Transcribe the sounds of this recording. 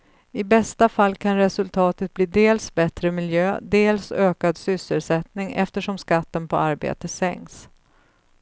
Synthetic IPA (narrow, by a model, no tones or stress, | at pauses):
ɪbɛst̪afalːkʰanɾɛsɵlt̪ʰɑːt̪ət̪̚bliːd̪eːlsbɛt̪ɾəmɪljøːd̪eːlsøːkad̪sʏsːəlsɛt̪nɪŋʔɛ̰ft̪əʂɔmskat̪ːənpʰɔaɾbḛːt̪əsɛ̰ŋks